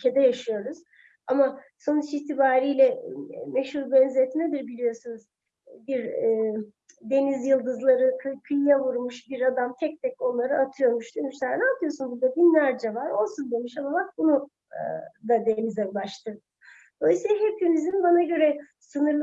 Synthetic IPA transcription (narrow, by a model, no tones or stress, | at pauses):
ycʰed̪ɛjaʃɯjo̞ɾuz̥ | ama | so̞nut͡ʃit̪ʰibaːɾijlʲɛmeʃhuɾbɛnzɛt̪mɛd̪iɾbilʲijo̞ɾsunuz̥ | biɾː | d̪e̞nizjɯlˠd̪ɯzlˠaɾɯkʰkʰynʲjavuɾmuʃbiɾad̪amt̪ʰɛc̚t̪ʰɛco̞nlˠaɾɯat̪ʰɯjo̞ɾmuʃd̪yjmuʃsæɾnaːt̪ʰɯjo̞ɾsunbuɾd̪abinlʲæɾd͡ʒɛvaɾo̞lˠsund̪emiʃamabak̚bunṵ | d̪ad̪enizɛlˠaʃt̪ʰɯ | d̪̥olˠajɯsilˠaɦɛp̚jynizimbanaɟø̞ɾɛ | sɯnɯɾˠ